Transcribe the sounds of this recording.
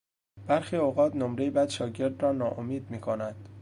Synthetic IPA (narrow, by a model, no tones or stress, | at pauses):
b̥æɾxiːoɣɒːt̪nomɾejibæd̪ʃɒːɟe̞ɾd̪rɒːnɒːʔomiːd̪̚miːkʰonænd̪̥